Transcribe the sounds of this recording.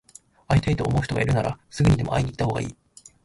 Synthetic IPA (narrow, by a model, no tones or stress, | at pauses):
ait̪ait̪o̞ːmo̞̟ːç̥to̞ɡa̰iɾɯ̟naɾa̰sɨɡɯ̟ɲ̟id̪e̞mo̞ʔa̰iɲʲiːit̪ːaho̞ːɡaḭː